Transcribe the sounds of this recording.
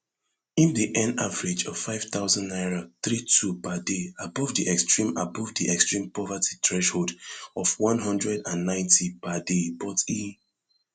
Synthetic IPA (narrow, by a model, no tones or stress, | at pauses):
ĩndiʔɛ̃navəɹid͡ʒɔv̥faɪv̥t̪aʊzɔ̃nnaɪɹoθɹitʰupadeabɔvdiʔɛkstɹĩma̰bɔvdiʔɛkstɹĩmpɔvati̥tʰɹɛʃholdɔvwɔ̃nɦʌ̃ndɹɛdãnːãɪ̃ntʰipadebɔti